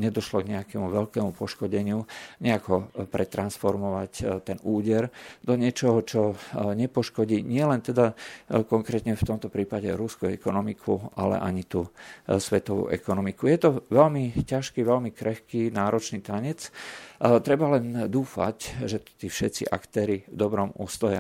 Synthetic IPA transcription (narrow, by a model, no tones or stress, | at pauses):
ɲɛd̪ɔʃlɔɡɲɛakɛmuʋɛʎkɛmupɔʃkɔɟɛɲɪuɲɛakɔpɾɛt̪ɾansfɔɾmɔʋact̪ɛnuːɟɛɾd̪ɔɲɪɛt͡ʃɔɦɔt͡ʃɔɲɛpɔʃkɔɟiɲɪɛlɛnt̪ɛd̪akɔŋkɾɛt̪ɲɛft̪ɔmt̪ɔpɾiːpaɟɛ̰ɾuskuɛkɔnɔmikʰuʔalɛ̰ʔaɲit̪uːsʋɛt̪ɔʋṵʔɛ̰kɔnɔmikujɛt̪ɔʋɛlmicaʃkiːʋɛlmikɾɛxkiːnaːɾɔt͡ʃnit̪aɲɛt͡s | t̪ɾɛbalɛnd̪uːfa̰cʒɛt̪t̪iːfʃɛt̪t͡sḭʔa̰kt̪ɛːɾivd̪ɔbɾɔmṵːst̪ɔjɛ